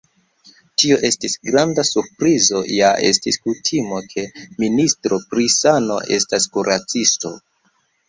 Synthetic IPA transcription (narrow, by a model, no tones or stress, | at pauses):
tio̞ʔe̞stisɡɾandasuɾpɾizo̞jaʔe̞̰stiskutʰimo̞kʰe̞ministɾo̞pɾisano̞̰ʔe̞̰staskuɾʔat͡sisto̞̰